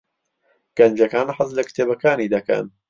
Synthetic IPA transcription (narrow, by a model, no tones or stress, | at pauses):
ɡ̥ɐnd͡ʒɐkaːnħazlɐkɨ̥t̪ʰeːbɐkaːniːd̪ɐkɐ̰n